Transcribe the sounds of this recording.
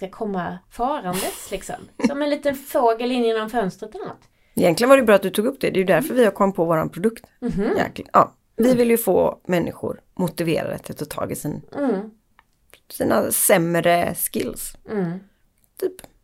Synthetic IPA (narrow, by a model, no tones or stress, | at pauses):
skakʰɔmːafɑːɾand̪ət̪lɪksɔ̰msɔmɛnliːt̪ənfoːɡəlɪnjɪnːɔmfœnst̪ɾət̪anːa̰t̪ | ɪjɛnlɪənvɾɖɛjbɾɑːt̪̚d̪ɵt̪uːɡɵpːd̪ɛd̪ɛjɵd̪æɾfœɾvɪhaɾkʰɔmːpʰɔvoːɾanpʰɾʊd̪ɵkt̪jæ̰kljɑ̰ː | vɪvɪljɵfoːmɛnːɪ̰ɧʊ̰ɾ | mʊt̪ɪvḛːɾa̰d̪ɛ̰t̪ʰɪlt̪ʰːt̪ʰɑ̰ːɡɪsiːn | siːna̰sɛmɾəskɪ̰ls | t̪ʰyːp